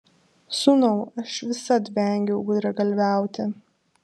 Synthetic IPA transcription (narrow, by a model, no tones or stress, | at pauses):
sunɐʊɐʃʋʲɪsɐt̪bʲɛˑŋʲɡʲɛʊɡʊd̪ɾɐɡɐlʲʋʲæˑʊt̪ʲɪ